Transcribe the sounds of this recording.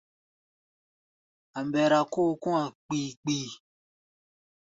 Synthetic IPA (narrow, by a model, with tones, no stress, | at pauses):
a˨m˨bɛ˨ɾa˨ko˦kũ˦a˨k͡piː˨k͡piː˦˨